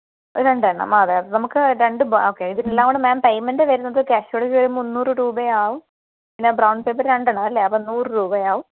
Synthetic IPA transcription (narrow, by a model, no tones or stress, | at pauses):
ɾe̞ɳɖɐɐɳɐ̰maːðeɐðnɐmukːɨɾe̞ɳɖɨboːkːeːiðinelːaːŋɡoɳɖɨmaːmpejmɐndeʋɐɾunːɐðokʲaːɕoɽɐd͡ʑiʋɐɾumunːuːrɨɾuːbɐjaːʋum | pinːebrɐwɳɖpeːpːɐɾɾe̞ɳɖɐːɳaɐlːeɐpːɐnːuːrɨɾuːbɐjaːʋum